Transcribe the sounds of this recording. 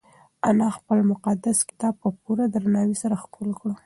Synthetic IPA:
anɑxpəlmʊqad̪askɪ̥t̪ɑb̚pəpuɾad̪əɾanɑwisaɾaxkulkɽo

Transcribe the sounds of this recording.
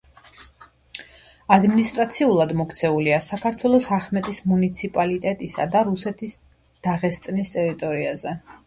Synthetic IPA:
ad̪minist̪ʼɾat̪sʰiulˠad̪mɔkt̪sʰɛuliasakʰaɾt̪ʰwɛlˠɔsaχmɛt̪ʼismunit̪sʰipʼalit̪ʼɛt̪ʼisa̰d̪aɾusɛt̪ʰis | d̪̥aʁɛst̪sʼnist̪ʼɛɾit̪ʼɔɾiazɛ

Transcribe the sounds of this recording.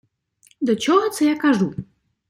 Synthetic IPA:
d̪ɔt͡ɕɔɣɔt̪sɛjakaʐu

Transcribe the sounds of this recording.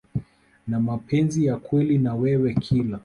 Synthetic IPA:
namapʰɛnzijakwɛlinawɛwɛkʰila

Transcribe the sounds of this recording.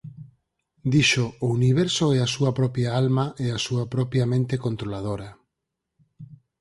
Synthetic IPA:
d̪iʃoːuniβ̞ɛɾsoɛasuɐpɾɔpjaalmaʔeasuapɾɔpjamẽnt̪ekont̪ɾolað̞oɾa

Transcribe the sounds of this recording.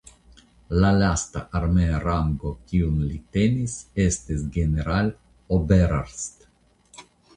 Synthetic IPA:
lalast̪a̰ʔaɾmeaɾaŋɡokʲiunlit̪enisest̪esɡeneɾalʲ | obeɾaɾst̪

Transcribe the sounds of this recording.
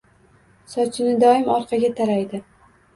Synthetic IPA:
sɒt͡ʃʰɪnɪd̪ɒɪmɒɾqʰɑɡʲat̪ʰaɾajd̪ɪ

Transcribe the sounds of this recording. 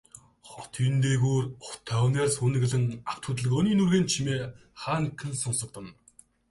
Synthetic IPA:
χɔt̪ʰiːnt̪eːɣuːrʊt̪ʰːawneːrsunɘ̆ɣ̆ɮɘ̆ŋaw̥t̪ʰɵt̪ə̆ɮɘ̆ɣɵniːnurɣeːnt͡ɕʰimeː | χaːŋkʰɘ̆nsʊnsə̆k̚t̪ə̆n

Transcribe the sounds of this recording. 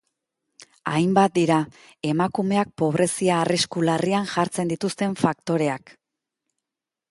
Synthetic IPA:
ajmbat̪̚d̪iɾa | e̞makume̞ak̚po̞βɾe̞siaːriskularianʝaɾt͡se̞nd̪it̪ust̪e̞ɱfak̚t̪o̞ɾe̞ak

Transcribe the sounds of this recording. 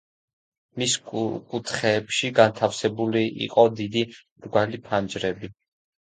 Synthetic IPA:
miskʼut̪ʰχɛːpʃiɡant̪ʰafsɛbuliʔḭqʼɔd̪id̪i | ɾɡwalipʰand͡ʒɾɛbi

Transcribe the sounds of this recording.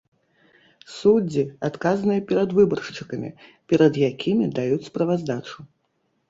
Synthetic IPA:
sud͡zʲiat̪kazɐnɨjɐpʲɛɾɐd̪vɨbɐrʂt͡ʂɨkɐmʲḭpʲɛɾɐd̪jakʲʰimʲid̪ajut͡sʲspɾɐvazd̪at͡ʂu

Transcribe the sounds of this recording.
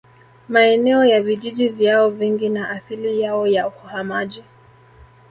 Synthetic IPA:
maɛnɛɔjaviʄiʄivjaɔviŋɡinaʔaθilijaɔjauhuhamaʄi

